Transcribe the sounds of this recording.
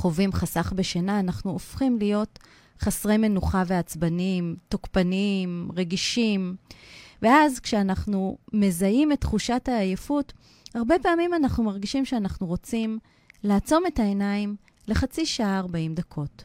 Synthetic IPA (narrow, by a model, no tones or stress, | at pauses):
χo̞vimχasaχbe̞ʃenaːnaχnuofχimlijo̞t | χasʁe̞jme̞nuχave̞at͡sbanimtokpanimʁe̞ɡiʃim | veazkʃeanaχnume̞zajimetːχuʃathaːjefut | haʁbe̞paːmimanaχnumaʁɡiʃimʃeanaχnuʁo̞t͡sim | laːt͡so̞metaenaim | le̞χat͡siʃaaːʁbaimdakʰo̞t